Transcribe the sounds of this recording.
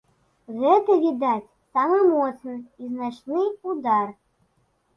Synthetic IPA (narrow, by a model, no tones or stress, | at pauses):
ɣɛt̪ɐvʲid̪at͡sʲ | samamɔt̪snɨiznat͡ʂnɨud̪ar